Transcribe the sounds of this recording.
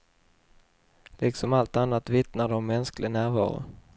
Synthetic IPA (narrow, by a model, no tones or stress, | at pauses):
lɪksɔmalt̪anːat̪vɪt̪nad̪ɔmːɛnsklɪnæːɾvɑ̰ːɾʊ̰